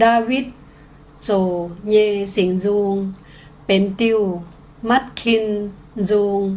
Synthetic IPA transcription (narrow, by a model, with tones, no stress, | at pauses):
daː˧wi˦˥t̪̚ | t͡ɕoː˨˩ɲeː˧si˨˩˦ŋzuː˧ŋ | pe˨˦nt̪i˧w | ma˦˥˩t̪̚kʰi˧n | zuː˧ŋ